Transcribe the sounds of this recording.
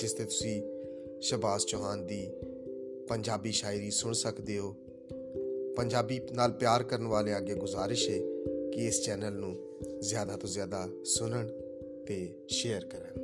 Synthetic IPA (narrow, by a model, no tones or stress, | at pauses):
d͡ʒɪst̪eːt̪ʊsĩːʃəbaːst͡ʃoːɦaːnd̪iː | pəɲd͡ʒaːbiːʃaːɪɾiːsʊɳsəkd̪eːɦoː | pəɲd͡ʒaːbiːnaːlpjaːɾkəɾəɳʋaːleːəɡeːɡʊzaːɾɪʃeːkɪɪst͡ʃɛːnəlnũː | zjaːd̪aːt̪õːzjaːd̪aː | sʊnəɳ | t̪eː | ʃeːəɾkəɾəɳ